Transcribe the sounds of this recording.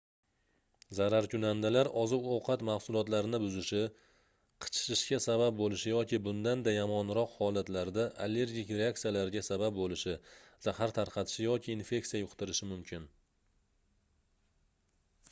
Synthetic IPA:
zaɾaɾkʲʰʊnand̪alaɾɒzɪbowqʰɑt̪mahsʊlˠɒt̪laɾnɪbʊzɪʃɪ | qʰɨ̥t͡ʃʰɪ̥ʃɪʃkʲasabap̚bolɪʃɪjɒkʲɪbʊnd̪and̪ajamɒnɾɒqhɒlat̪laɾd̪aʔalːe̞ɾɡʲikʲɾeakt̪sijalaɾɡʲasabap̚bolɪʃɪz̥ahaɾt̪ʰaɾqʰɑt̪ʰɪ̥ʃɪjɒkʲʰɪːnfe̞k̚sijajʊqt̪ɪɾɪʃɪmʊmkʲʰɪn

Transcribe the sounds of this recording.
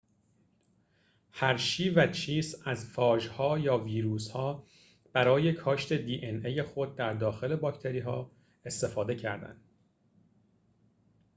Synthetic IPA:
hæɾʃiːvæt͡ʃʰiːsæzfɒːʒhɒːjɒːviːɾuːshɒː | b̥æɾɒːje̞kʰɒːʃt̪ʰe̞d̪iːʔeneje̞xo̞d̪̚ːæɾd̪ɒːxe̞le̞bɒːct̪ʰe̞ɾiːɦɒː | e̞st̪e̞fɒːd̪e̞cʰæɾd̪æ̰nd̪

